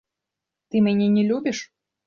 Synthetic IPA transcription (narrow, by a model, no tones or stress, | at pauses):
t̪ɨmʲɛnʲɛnʲɛlʲubʲiʂ